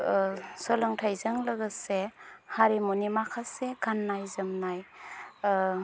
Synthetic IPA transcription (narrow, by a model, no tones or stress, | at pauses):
sɔləŋtʰajzɯŋləɡasehaɾimunimakʰaseɡanːajzɯmnaj